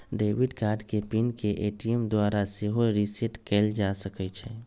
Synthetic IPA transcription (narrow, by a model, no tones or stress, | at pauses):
ɖeːʋiɖkaːɾɖkepinkeʔeʈijemd̪waːɾaseɦoɾiseʈkɛld͡ʒasəkɛt͡ʃʰɛ